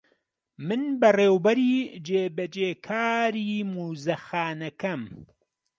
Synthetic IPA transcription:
mɨnbɐreːwbɐɾiːd͡ʒeːbɐd͡ʒeːkʰaːɾiːmuːzɐxaːnɐkɐm

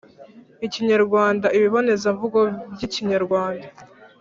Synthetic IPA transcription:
iciɲaɾɡwaːndaiβiβo̞ne̞zavuɡo̞bjiciɲaɾɡwaːnda

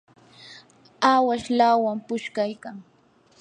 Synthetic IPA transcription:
awaʃlawampʊʃkajkaŋ

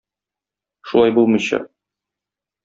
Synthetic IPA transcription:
ʃulˠɑjbulˠmɤ̆jɕɑ̰

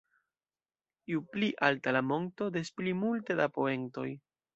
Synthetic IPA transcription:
iupliʔaltalamo̞ŋto̞desplimulte̞dapo̞e̞ŋto̞j

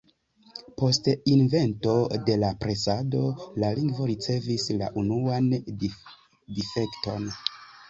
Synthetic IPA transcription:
po̞stinve̞nto̞de̞lapɾe̞sado̞laliŋɡvo̞ɾit͡se̞visla̰ʔunuan | dife̞kto̞n

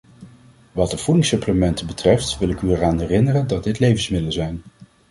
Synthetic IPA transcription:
ʋɑt̚dəv̥udɪŋsɵpləmɛntəbətrɛftʋɪlˠɪkyɛraːnɦɛrɪnərəndɑd̚dɪtlejvənsmɪdələzɛjn

